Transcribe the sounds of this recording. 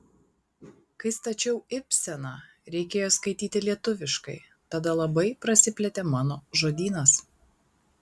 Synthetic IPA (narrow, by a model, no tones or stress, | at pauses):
kɐɪst̪ɐt͡ʃʲɛʊɪpʲsʲɛnɑː | ɾʲɛɪkʲeːjoːskɐɪt̪ʲiːt̪ʲɪlʲiɛt̪ʊʋʲɪʃkɐɪ | t̪ɐd̪ɐlˠɐbɐɪpɾɐsʲɪpʲlʲɛt̪ʲɛːmɑːnoːʒoːd̪ʲiːnɐs